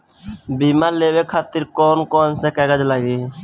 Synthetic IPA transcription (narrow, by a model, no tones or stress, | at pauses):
biːmaːɾleːwekʰaːt̪ɪɾkɔːnkɔːnsekɛːɡəd͡ʒləɡiː